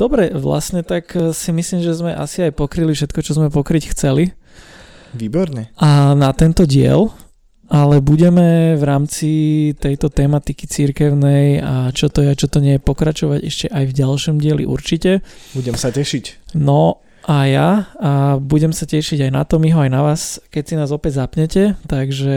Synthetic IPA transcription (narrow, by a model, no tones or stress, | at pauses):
d̪̥ɔbɾɛʋla̰sɲɛt̪aksimisliːmʒɛzmɛʔa̰siajpɔkɾilifʃɛt̪kɔt͡ʃɔzmɛpɔkɾicxt͡sɛli | ʋiːbɔɾɲɛʔanat̪ɛnt̪ɔɟɪɛ̰l | ʔalɛbuɟɛmɛʋɾaːmt͡sit̪ɛjt̪ɔt̪ɛːmat̪ikit͡siɾkɛʊnɛjat͡ʃɔt̪ɔjɛat͡ʃɔt̪ɔɲɪɛjɛpɔkɾat͡ʃɔʋaɟɛ̰ʃcɛʔajvɟalʃɔmɟɪɛlḭʔṵɾt͡ʃicɛbuɟɛmsacɛʃicnɔ | ʔajaabuɟɛmsacɛʃiɟajna̰t̪ɔmiɦɔajnaʋaːskɛcsinaːzɔpɛɟzapɲɛcɛt̪aɡʒɛ